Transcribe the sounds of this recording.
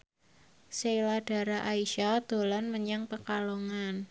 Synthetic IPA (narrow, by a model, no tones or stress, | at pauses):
sejlad̥a̤ɾaʔaiʃad̪̥o̤lanməɲaŋpəkaloŋan